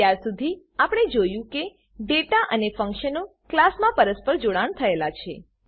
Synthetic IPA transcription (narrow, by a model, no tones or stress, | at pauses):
jaɾsud̪ʱi | apəɽ̃ed͡ʒojũke | ɖeʈaʔənefə̃ŋkʃəno | klasmãpəɾəspəɾd͡ʒoɽaɳt̪ʰəelat͡ʃʰe